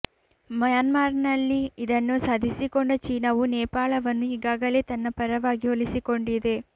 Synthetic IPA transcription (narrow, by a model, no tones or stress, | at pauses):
mɐjaːnmaːɾnɐlːiid̪ɐnːusaːd̪ʱisikoɳɖɐt͡ʃiːnɐʋunɛːpaːɭɐʋɐnːuiːɡaːɡɐle̞ːt̪ɐnːɐpɐɾɐʋaːɡiolisiko̞ɳɖid̪e̞